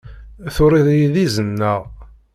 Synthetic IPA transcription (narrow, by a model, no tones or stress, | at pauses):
θʊɾiðjiðizənːæʁ